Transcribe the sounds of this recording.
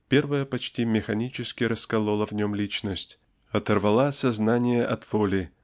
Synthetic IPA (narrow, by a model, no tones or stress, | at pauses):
pʲe̞rvəjəpɐt͡ɕtʲimʲɪxɐnʲit͡ɕɪskʲɪɾəskɐlˠolˠəvnʲomlʲit͡ɕnəsʲtʲ | ɐt̪ərvɐlˠasɐznanʲɪjəʔɐt̪v̥olʲɪ